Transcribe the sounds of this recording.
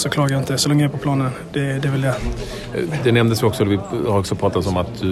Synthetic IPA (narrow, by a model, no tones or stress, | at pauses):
sɔkʰlɑːɡajɪnt̪əd̪ɛsɔlɛŋːəjaæːpʰɔpʰlɑːnən | d̪̥ɛd̪ɛvɪljɛ | d̪ɛnɛmd̪əsvɪɔksɔd̪vɪhaɾɔksɔpʰɾɑːt̪ad̪sɔmat̪̚d̪ɵ